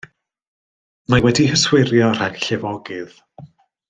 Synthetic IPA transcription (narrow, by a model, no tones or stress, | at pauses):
mawɛdihəswɪrjɔr̥aɡɬɛvɔɡɨð